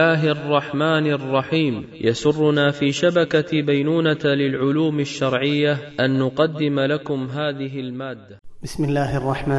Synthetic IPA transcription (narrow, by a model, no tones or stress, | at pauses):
aːɦʔrˤːɑħmaːnʔrˤːɑħiːmjʔasʊrˤːʊnaːfiːʃabakabajnuːnalɪlʕʊluːmaʃːɑɾˤʕɪjːaʔanːʊqɑd̪ːɪmlakʊmɦaːðɪɦɪlmaːd̪ːabɪsmɪlːaːhʔɑrˤːɑħmaː